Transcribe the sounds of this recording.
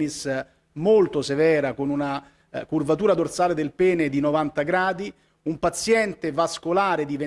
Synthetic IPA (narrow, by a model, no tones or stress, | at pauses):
nis | molt̪osevɛːɾakonuna | kurvat̪uːɾad̪ort̪saːled̪elpɛːned̪inovant̪aɡɾaːd̪i | umpat̪sjɛnt̪evaskolaːɾed̪ive